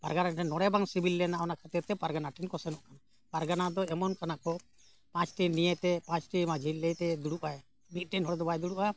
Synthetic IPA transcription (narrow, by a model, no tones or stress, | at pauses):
paɾɡanaʈɛnːɔɽɛbaŋsibʱilːɛnaɔnakʰat̪iɾt̪ɛpaɾɡanaʈɛnkɔsɛnɔʔkana | paɾɡanad̪ɔɛmɔnkanakɔ | pãt͡ʃʈinijɛt̪ɛpãt͡ʃʈimad͡ʒʱillɛjt̪ɛd̪uɽuʔaj | mit̪̚ˀʈɛnɦɔɽɛd̪ɔbajd̪uɽuʔa